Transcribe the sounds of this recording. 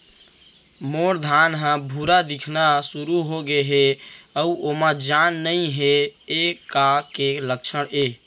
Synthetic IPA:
moɾd̪ʱanɦãbʱuɾad̪ikʰnasuɾuɦoɡeɦe | əuʔomãd͡ʒanːəiɦeekakelək̚t͡ʃʰəɽe

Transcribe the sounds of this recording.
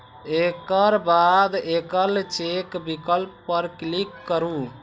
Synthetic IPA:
ekəɾbad̪ekəlt͡ʃekbikəlpːəɾklikːəɾu

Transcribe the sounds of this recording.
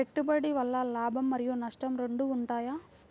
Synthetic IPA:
eʈːubɐɽiʋɐlːɐlaːbʱɐmːɐɾijunɐʂʈɐmɾe̞ɳɖuːɳʈaːjaː

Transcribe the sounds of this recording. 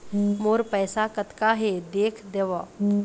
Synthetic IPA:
moːɾpəːsakət̪kaɦed̪eːkʰd̪eʋa

